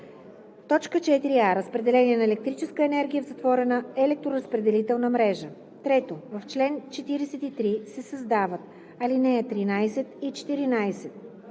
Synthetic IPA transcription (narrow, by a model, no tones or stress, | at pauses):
t̪ɔt͡ʃkət͡ʃɛt̪iɾiaɾəspɾɛd̪ɛlɛniɛnɐɛlɛk̚t̪ɾit͡ʃɛskəɛnɛɾɡʲijəvzɐt̪vɔɾɛnəɛlɛk̚t̪ɾoɾəspɾɛd̪ɛlit̪ɛlˠnəmɾɛʒə | t̪ɾɛt̪ovəft͡ʃlɛnt͡ʃɛt̪iɾɛsɛt̪it̪ɾisɛsəzd̪avət̪̚ | ɐlinɛɛt̪ɾinajsɛt̪it͡ʃɛ̥t̪iɾinajsɛt̪̚